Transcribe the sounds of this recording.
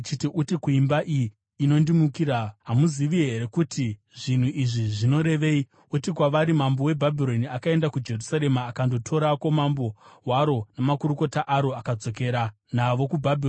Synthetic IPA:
itiʔutikuimbaʔiː | no̞ndimukiɾaɦamuziʋiɦe̞ɾe̞kuti | ʐin̤uʔiʐiʐino̞ɾe̞ʋe̞i | utikwaʋaɾimambo̞we̞bʱabʱiro̞niakae̞ndakud͡ʒe̞rusaɾe̞maːkando̞tʰo̞ɾako̞mambo̞waɾo̞namakuɾuko̞taʔaɾo̞akad͡zo̞k̬e̞ːɾa | naʋo̞kubʱabʱio

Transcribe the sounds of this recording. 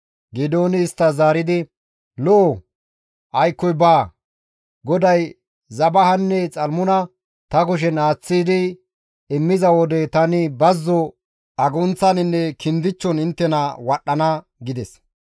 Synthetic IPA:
ɡɪd̪o̞ːnɪːst̪ːɐzaːɾɪd̪ɪ | loː | ʔɐjkːɔjbaː | ɡɔd̪ɐj | zɐbɐhɐnːɛt͡sʼɐlmʊnɐ | t̪ɐkʊʃ̬ɛnaːt͡sːiːd̪ɪ | ɪmːɪzɐwɔd̪ɛt̪ɐnɪbɐzːɔ | ɐɡʊnt͡sːɐnɪnːɛkʰɪnd̪ɪt͡ʃːɔnɪnt̪ːɛnɐwɐɗːɐnɐ | ɡɪd̪ɛs

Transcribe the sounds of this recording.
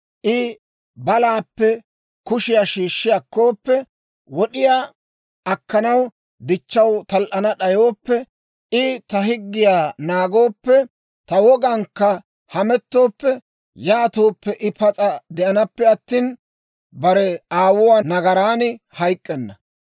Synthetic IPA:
ʔɪ | bɐlaːpːɛ | kʊʃɪjaːʃiːʃːɪjɐkːo̞ːpːɛ | wɔɗɪjaː | ʔɐkːɐnɐw | d̪ɪt͡ʃːɐwt̪ɐlʔɐnɐɗɐjo̞ːpːɛ | ʔɪt̪ɐɦɪɡːɪjaːnaːɡo̞ːpːɛ | t̪ɐwɔɡɐŋkːɐ | hɐmɛt̪ːo̞ːpːɛ | jaːt̪o̞ːpːɛʔɪpɐt͡sʼɐd̪ɛʔɐnɐpːɛɐt̪ːiːn | bɐɾɛaːwʊwaːnɐɡɐɾaːnɪ | hɐjkʼːɛnːɐ

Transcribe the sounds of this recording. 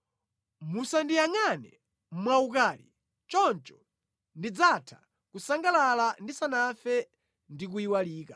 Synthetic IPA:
musandijaŋanɛ | mwaukaːlḭ | t͡ʃɔnt͡ʃɔ̥ | ndid͡zatʰḁ̰ | kusaŋɡalalandisanafɛ | ndik̬uiwaliːka

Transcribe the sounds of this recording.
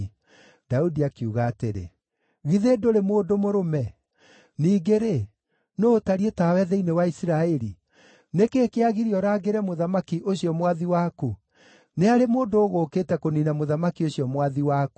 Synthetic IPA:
d̥audiakiuɣaːteɾḛ | ɣiðedoɾemoːdomoɾomɛ | niːɡeɾe | noːtaɾietawɛðɛinewaisiɾaɛɾi | nekeːkeaɣiɾiɔɾaːɡeɾɛmoðamakiʔoɕiɔmwaðiwaku | neaɾemoːndoːɣokeːtɛkoninamoðamakioɕiɔmwaðiwaːku

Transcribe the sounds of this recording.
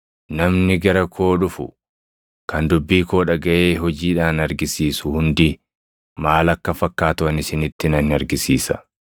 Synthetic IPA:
nɐmnɪɡɐɾɐkʰo̞ːᶑʊfʊ̰ | kʰɐnd̪ʊbːiːko̞ːᶑɐɡɐʔeːɦɔd͡ʒiːᶑaːnɐɾɡɪsiːsʊhʊnd̪i | maːlɐkːɐfɐkːaːt̪ʊɐnɪsɪnɪt̪ːɪnɐnɐɾɡɪsiːsɐ̰

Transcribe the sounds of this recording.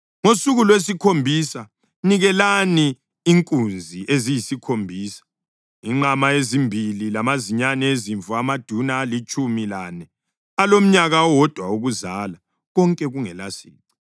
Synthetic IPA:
ŋosuɣulwes̬ikʰombʱisa | niɣɛlaniː | ŋkʼund͡zʱiʔezijisikʰombʱiːsḁ | iŋ͡ǃamaezimbʱililamaziɲanɛeziɱfuamad̥ʱunaːlit͡ʃʼumilanɛ | alom̩ɲaɣawɔd̥ʱwauɣuzala | ɣɔŋkʼɛɣuŋɛlasḭːǀḁ

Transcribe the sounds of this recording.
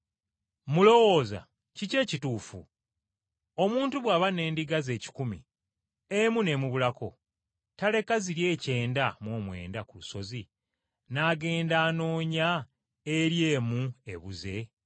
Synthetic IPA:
mulo̞wo̞ːza̰ | cice̞ːcituːfṵ | omuːntuβwaːβane̞ːndiɡaze̞ːci̥kumḭ | emune̞muβulako̞ | tale̞kaziɾje̞ːce̞ːndamwo̞ːmwe̞̰ːndakuluso̞zi | naɡe̞ːndaːno̞ːɲa | eɾje̞ːmue̞̰βuze̞

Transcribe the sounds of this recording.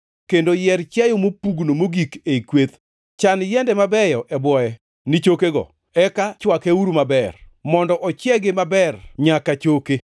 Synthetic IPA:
kendojɛrt͡ʃajomopuɡnomoɡikeikwet̪ | t͡ʃanjɛndɛmabɛjɔʔɛbwɔjɛ | nɪt͡ʃokeɡɔ̰ | ɛkat͡ʃwakeuɾumabɛrmɔndɔʔɔt͡ʃjɛɡɪmabɛrɲakat͡ʃoke

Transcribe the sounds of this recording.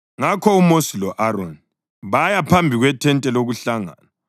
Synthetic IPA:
ŋakʰɔumosilɔʔaɾo̰ni | βajapʰambʱiɣwɛtʰɛntʼɛloɣuɬaŋa̰ːna

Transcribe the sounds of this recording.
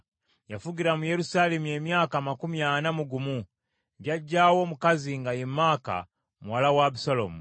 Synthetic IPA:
jafuɡiɾamujeɾusalemue̞mjaːkamakumijanamuɡumu | ɲɟaɟawo̞mukaziŋɡajimaka̰ | muwalawabusalo̰mu

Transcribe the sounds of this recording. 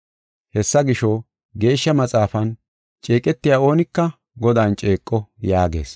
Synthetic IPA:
hɛsːɐɡɪʃo | ɡe̞ːʃːɐmɐt͡sʼaːfɐn | t͡ʃʼeːkʼɛt̪ːɪjaːo̞ːnɪkːɐ | ɡɔd̪aːnt͡ʃʼe̞ːkʼːɔjaːɡe̞̰ːs

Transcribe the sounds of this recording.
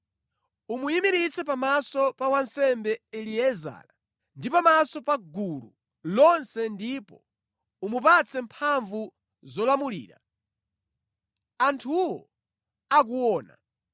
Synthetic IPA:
umujimiɾit͡sɛpamasɔpawansɛmbɛɛliɛza̰ɾa | ndipamasɔpaɡulṵ | lɔnsɛndipɔ | umupat͡sɛmpʰaɱvu | zɔlamulḭːɾa̰ | antʰuwɔ | ak̬uwɔːna̰

